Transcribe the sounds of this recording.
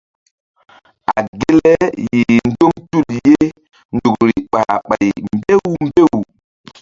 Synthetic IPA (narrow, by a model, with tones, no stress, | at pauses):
a˨ɡe˦lɛ˦ji˨n̩˦do˦mtu˦˨lje˦ | ndu˨kɾi˨ɓa̰˨ɓa˨jmbe˦wu˨m˦be˦˨wu˨